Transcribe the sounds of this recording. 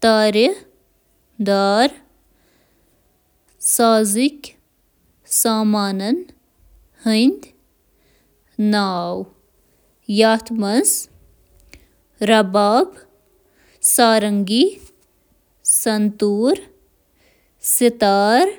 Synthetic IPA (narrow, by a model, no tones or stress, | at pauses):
t̪aːɾjə | d̪aːɾ | saːzikʲ | saːmaːnɐn | hənd̪ | naːw | jaːt̪ʰmɐz | ɾɐbaːb | saːɾɐŋɡi | sɐnt̪uːɾ | sit̪aːɾ